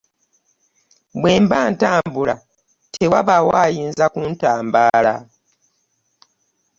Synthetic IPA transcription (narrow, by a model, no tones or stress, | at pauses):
bwe̞ːmbaːntaːmbula | tʰewaβawaːjiːnzakuntaːmbaːla